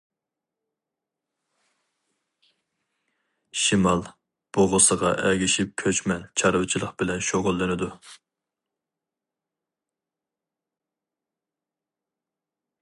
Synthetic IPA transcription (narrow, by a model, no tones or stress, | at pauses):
ʃimɑlˠ | b̥oʁʊsəʁɑʔɛɡʲiʃip̚kʲʰøt͡ʃmɛnt͡ʃʰɑɾɨwt͡ʃʰilˠəqb̥ɪlɛnʃoʁʊlˠːɨnɪd̪u